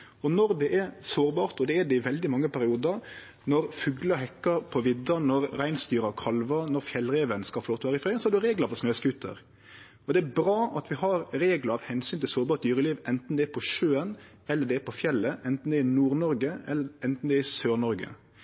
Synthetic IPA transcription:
ɔnɔɾd̪ɛʔɛɾsoːɾbɑːɾt̪ɔd̪ɛɛɖ̪ɛɪʋɛld̪ɪmɑŋːəpæɾɪuːd̪əɾ | nɔɾfʉɡləɦɛkːəpʰɔʋɪd̪ːənɔɾɾæɪnst̪yːɾɑkʰɑlʋənɔɾfjɛlːɾeːʋənskɑlfɔloːt̪ɔʋæːɾəɪfɾeːsɔhɑɾd̪ʉɾeːɡləfɔsnøːskʉt̪ʰə̰ɾ | ɔd̪ɛæbɾɑːʔɑt̪ʋɪhɑɾɾeːɡləɾɑʋhɛnsyːnt̪ʰɪlsoːɾbɑːɾt̪̚d̪yːɾəliːʋɛnt̪n̩d̪ɛːɾpʰɔʃøːən | ɛlːəɖ̪ɛæpʰɔfjɛlːəʔɛnt̪n̩d̪ɛɪnuːɾnɔɾɡəɛlːəɛnt̪n̩d̪ɛɪsøːɾnɔɾɡə̰

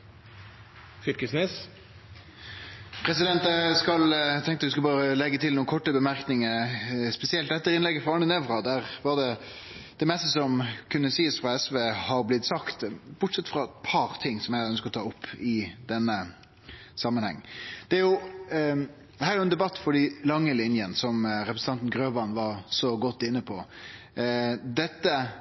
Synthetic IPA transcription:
fɪlkəsneːs | pʰɾɛsɪd̪ɛnt̪əskɑlt̪ʰɛ̃ŋkt̪ət̪d̪ʉskɑlbɑːɾəlɛɡːət̪ʰɪluːnkʰɔʈːəbəmæɾknɪŋəɾspɛsɪɛlt̪̚d̪ɛt̪ːəɾɪnlɛɡːəfɾɑɑnənɛʋɾɑd̪æʁʋɑʁd̪ɛ | d̪̥ɛmɛst̪əsɔmkʰʉnːəsiːəsfɾɑɛsʋeːhɑɾblɪt̪ːsɑkt̪bʊʈsɛt̪ːfɾɑpʰɑɾt̪ʰɪŋːsɔmjæɪœnskəɔt̪ʰɑːʊpʰːɪd̪ɛnːə | sɑmːənhɛ̰ŋːd̪̥ɛæɾjʊ | d̪hæːɾjʊɛnd̪ɛbɑt̪ːfɔɖilɑŋːəlɪnjənsɔmɾɛpɾəsn̩ʰɑnt̪n̩ɡɾøːʋɑnʋɑɾsɔɡɔt̪ːɪnːəpʰɔ | d̪ɛt̪ːə

